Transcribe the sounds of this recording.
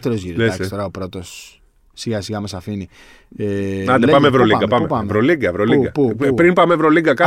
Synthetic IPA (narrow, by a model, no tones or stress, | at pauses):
t̪eɾozʝiɾoeɐssst̪oɾɐopɾot̪o̞s | siɣɐsiɣɐmesɐfini | eɐnd̪epɐmevɾoliɡɐpɐmeɐvɾoliɡɐvɾoliɡɐppɾinpɐmevɾoliɡɐkɐ